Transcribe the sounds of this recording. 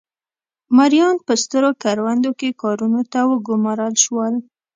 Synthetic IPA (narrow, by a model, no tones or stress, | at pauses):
maɾjɑnpəst̪əɾokaɾwand̪okekɑɾunot̪awəɡʊmɑɾəlʃwəl